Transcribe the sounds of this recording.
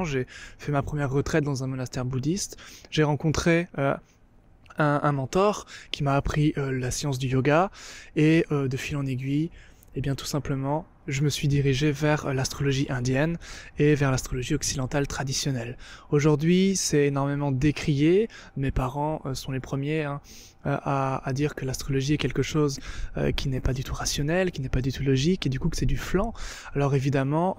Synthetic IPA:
ʒefɛmapχəmjɛʁːət̪χɛt̪̚d̪ɑ̃zɛ̃mɔnast̪ɛʁbud̪ist̪ʒ̥eʁɑ̃kɔ̃t̪χeø | ɛ̃ʔɛ̃mɑ̃t̪ɔʁkʲimaːpχiølasjɑ̃s̬d̪yjoɡaeød̪əfilɑ̃neɡʲɥi | ebjɛ̃t̪u̥sɛ̃pləmɑ̃ | ʒəməsɥid̪iʁiʒevɛʁlast̪χɔlɔʒiʔɛ̃d̪jɛnevɛʁlast̪χɔlɔʒiɔksid̪ɑ̃t̪alt̪χad̪isjɔnɛloʒuʁd̪ɥisɛenɔʁmemɑ̃d̪ekχije | mepaʁɑ̃ʔøsɔ̃lepχəmjeɛ̃ | ø̰ʔaad̪iʁkəlast̪χɔlɔʒiɛkʲɛlkəʃozø̰kʲʰinɛpad̪yt̪ʰuʁasjɔnɛlkʲinɛpad̪yt̪ulɔʒiked̪ykuksɛd̪yflɑ̃ | alɔʁevid̪amɑ̃

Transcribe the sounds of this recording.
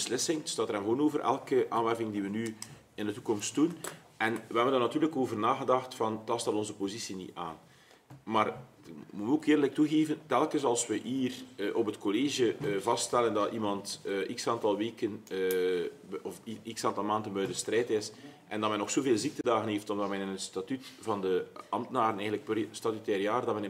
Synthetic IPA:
bəslɪsɪŋdsdɑːtəɾɛnvwoːnoːvərʔɛ̰lˠkəʔa̰ːnʋɛrkɪŋdiʋəny | ɪndətukɔmst̚d̥un | ɛnʋəɦɛbəndɑnɑtyːrləkoːvərnaːɣədɑxtfɑntɑstɑtɔnzəpozisinḭa̰ːn | maːr | mutəoːkɪːrdələk̚tuɣeːvəntɛlˠkəsɑlˠswəiːrʔɔpɦətkoleːʒəvɑststɛləndɑimɑntːʔiksaːntɑlˠʋeːkən | ɔfiksaːntɑlˠmaːndənbœjdəstrɛːtɪsʔɛndɑtmɛnːɔxsoːveːlˠzik̚tədaːɣənɦeːftɔmdɑtmɛnɪnətstatytvɑndəɑmtənaːɾənɛːənləkpstatytɛːɾjaːrdɑtmɛn

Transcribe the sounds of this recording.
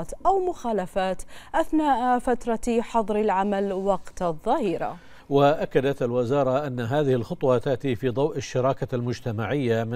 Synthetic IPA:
t̪ʔawmʊxaːlafaːt̪ʔaθnaːʔfat̪ɾˤɑħɑðˤɾɪlʕamalwɑqt̪ðˤːɑːhiːɾa̰ | waʔakːad̪at̪alwɪzɑːɾˤɑʔanːaɦaːðɪhɪlxʊt̪ˤwɑt̪aʔt̪ifid̪ˤɑwʔaʃːɑɾˤɑːkalmʊd͡ʒt̪amaʕɪjːam

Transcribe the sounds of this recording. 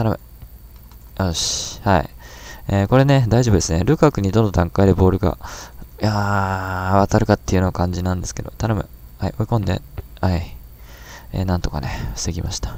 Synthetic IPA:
t̪anamɯ | oɕhaḭeko̞ɾe̞ne̞d̪aiʑo̞b̟d̪esɨneɾɯ̟kakɯ̟ɲ̟id̪õ̞nd̪od̪ãŋkaid̪e̞bo̞ːɾɯ̟ɡa̰ | a | βat̪aɾɯ̟kat̪ːe̞iɯ̟nokãɲ̟d͡ʑinãnd̪e̞sɨ̥ke̞d̪o̞̰t̪anamɯ̟haiʔoikõnd̪e̞̰ | hai | ḛːnãnt̪o̞̥ka̰ne̞ɸɯ̥seɡʲimaɕi̥t̪ḁ

